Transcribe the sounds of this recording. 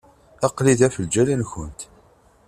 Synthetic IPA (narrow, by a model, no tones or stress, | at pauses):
ɑqliðæfəld͡ʒælænçənt̪